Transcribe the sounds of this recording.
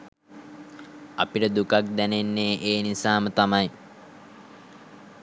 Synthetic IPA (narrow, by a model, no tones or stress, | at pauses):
a̰piʈəd̪ukak̚d̪ænenːeːʔeːnisaːmət̪amaj